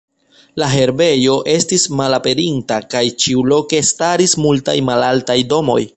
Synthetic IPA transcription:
laɦe̞ɾbe̞jo̞ʔe̞stismalape̞ɾintakajt͡ʃiulo̞ke̞staɾismulta̰jmalaltajdo̞mo̞̰j

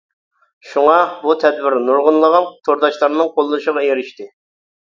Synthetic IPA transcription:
ʃuŋɑbut̪ʰɛd̪wɪɾnuɾʁʊnlˠəʁɑnt̪ʰoɾd̪ɑʃlˠɑɾnɨŋqʰolˠːɨnʃəʁɑjeɾɪʃt̪ɪ

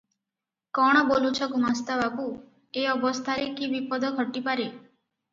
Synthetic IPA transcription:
kɔɽ̃ɔbolut͡ʃʰɔkumast̪abaku | eɔbɔst̪ʰaɾekibipɔd̪ɔkʰɔʈːipaɾe

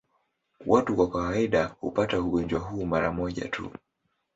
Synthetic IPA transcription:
wʔatukwakawaiɗahṵpatauɠɔnd͡ʒwaɦuːmaɾa̰mɔʄa̰tʰṵ

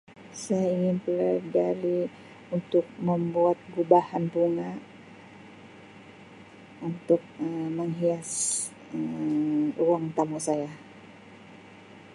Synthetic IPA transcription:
sajaiŋɪnpəladali | unt̪ʊk̚məmbuat̪̚ɡubahanpuŋa | unt̪ʊk̚əməŋɦias | ə | ruaŋt̪amusaja

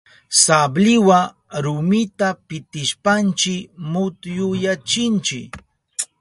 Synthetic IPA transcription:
sablɪwa | ɾʊmɪt̪apɪt̪ɪʃpant͡ʃɪmʊt̪jʊjat͡ʃɪnt͡ʃɪk

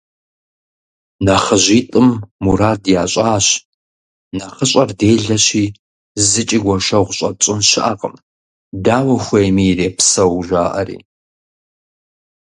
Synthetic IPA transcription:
nɐχəʑiːtʼɨmːuɾaːdjaːɕʼaːɕ | naχəɕʼɐrdeːɮɐɕiː | zɨt͡ʃʼiɡʷɔʃɐʁʷɕʼɐt͡ʃʼɪnʃɪʔa̰ːqʼə̰m | daːwɐxʷejmiːreːpsɐwʒʷaːʔɐ̰rḭː

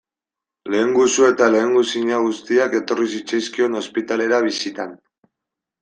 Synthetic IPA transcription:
le̞ːŋɡusue̞t̪ale̞ːŋɡusiɲaɣust̪iake̞t̪o̞risit͡sejskio̞no̞spit̪ale̞ɾaβ̞isit̪an

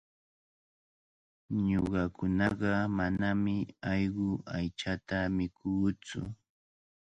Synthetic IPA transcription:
ɲoɢɑkʊnɑɢɑmanamɪɑjɢʊʔajt͡ʃat̪amɪkʰuːt͡sʊ̰

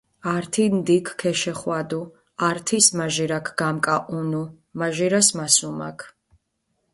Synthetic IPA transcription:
aɾt̪ʰind̪ikʰkʰɛʃɛχwad̪u | aɾt̪ʰismaʒiɾakʰɡ̥amkʼaʔunu | maʒiɾasmasuma̰kʰ

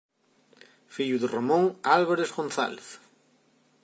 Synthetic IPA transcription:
fiʎuðeromõŋalβaɾezɣõnθa̰leθ

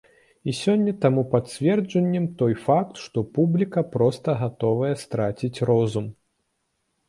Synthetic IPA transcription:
isʲɔnʲːɐt̪amupat̪t͡sʲvʲɛrd͡ʐɐnʲːɛmt̪ɔjfak̚t̪ʂt̪ɔpublʲikɐpɾɔst̪ɐɣat̪ɔvɐjɛst̪ɾat͡sʲit͡sʲrɔzum

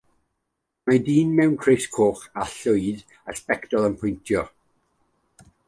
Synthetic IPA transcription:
majdiːnmɛwnkʰrejskʰoːχaɬʊɨð | aspɛktɔlˠənpʰʊjntʰjɔ

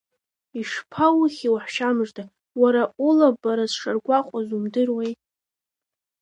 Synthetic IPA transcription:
iʂpʰawχʲiwaħʃamʐdʰa | waɾaʔulabaɾazʂarɡʷaqʷʼazumdɨrwejtʼ

